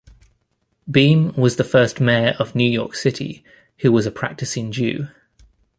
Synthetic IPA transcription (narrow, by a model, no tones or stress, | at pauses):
bĩːnwɒzðəfɜˑsmɛːɹʔəvnjʉːjɔ̰ˑksɪtʰḭ | hʉwɒzəpʰɹ̥a̰k̚tɪsɪ̃nd͡ʒʉ̰ː